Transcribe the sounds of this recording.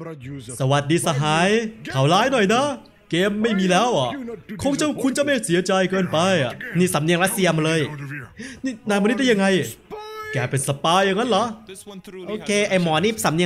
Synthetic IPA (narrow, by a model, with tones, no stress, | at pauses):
sa˧wa˨˩t̪̚diː˧sa˧ɦaː˨˩˦jkʰa˩wlaː˦˥jnɔ˨˩jna˦˥ | keː˧mːa˥˩jmiː˧lɛː˦˥wʔa˨˩kʰo˧ŋt͡ɕa˧˩kʰu˧nt͡ɕa˨˩ma˥˩jsi˨˦ɐt͡ɕa˧jkɤː˧npa˧jniː˥˩sa˨˩˦mni˧əŋɾa˦˥t̪̚si˧ɐəmaː˧lɤː˧j | niː˥˩naː˧nma˧nː˦˥t̪̚d̪ja˧ŋa˧j | kɛː˧˩pe˧nsa˧paː˧jːa˧ŋːa˦˥nla˦˥ | ʔoː˧˩kʰeː˧ʔa˧˩mɔː˨˩niː˥˩sa˨˦mni˧